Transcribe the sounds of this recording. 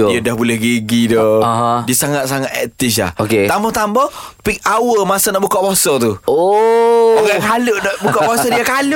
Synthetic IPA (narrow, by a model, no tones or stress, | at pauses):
jədahbulɛhɡeɡidɔɦdiəsaŋat̪̚s̬aŋat̪̚ɛ̰t̪ɪs̬la̰hoket̪amɔt̪ambɔpik̚awəmasanɔʔbukaʔbɔsɔt̪uo | aɡakaləʔnɔʔbukaʔbasɔdiakal